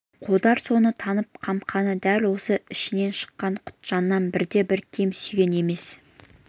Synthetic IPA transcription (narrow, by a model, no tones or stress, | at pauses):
qʰod̪ɑɾso̞nət̪ʰɑnəp̚qʰɑmqʰɑnəd̪ælwo̞səɪʃɪne̞nʃə̥qːɑɴqʰʊ̥t̪ʒ̥ɑnːɑnbɪɾd̪e̞bɪɾkʲʰe̞msyjɡʲe̞ne̞me̞s